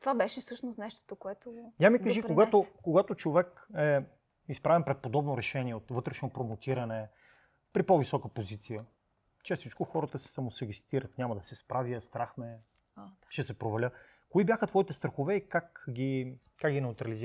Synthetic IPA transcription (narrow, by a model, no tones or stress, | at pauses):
t̪ovabɛʃɛfsɤʃnʊsnɛʃt̪o̥t̪okoɛt̪oj̪amikəʒikoɡat̪okoɡat̪ot͡ʃovɛk | ɛ | ispɾavɛnpɾɛt̪̚pod̪ɔbnoɾɛʃɛnʲiɛot̪vɤt̪ɾɛʃnopɾomot̪iɾɐnɛ | pɾipɔvisɔkəpozit̪sijə | t͡ʃɛst̪it͡ʃkoxɔɾət̪əsɛ̥sɐmosɛɡɛst̪iɾət̪nʲamɐd̪ɐsɛspɾaviəst̪ɾaxmɛ | ʃɛsɛpɾovɐlʲə | koibjaxət̪vɔit̪ɛst̪ɾɐxovɛikakɡi | kakɡinɛut̪ɾɐliziɾ